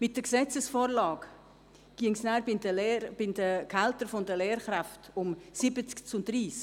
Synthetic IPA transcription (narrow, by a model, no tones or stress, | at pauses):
mɪt̚d̥əksɛt͡səsfoːɾlɑːk | ɡ̥iəŋsnaːɾɪəlb̥ɪndəkʰaltəɾfʊndəleːɾχɾaftʊmsɪbət͡skt͡sʊndɾiːsk